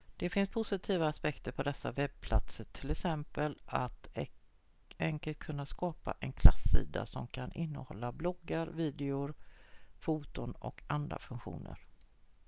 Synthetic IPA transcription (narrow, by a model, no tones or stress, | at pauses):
d̪̥ɛfɪnspʰʊsɪt̪ʰiːvaːspɛkt̪əɾpʰɔd̪ɛsːa̰vɛb̚pʰla̰t̪səʈʰɪlɛksɛmpəlat̪ | ɛŋkəlt̪̚kʰɵnːaskɑːpa̰ʔɛnkʰlasːḭːd̪a̰sɔmkʰanʔɪnːəhɔlːablɔɡːaɾviːd̪ɛʊɾfuːt̪ʊnɔ̰kʰand̪ɾa̰fɵŋkɧṵːnə̰ɾ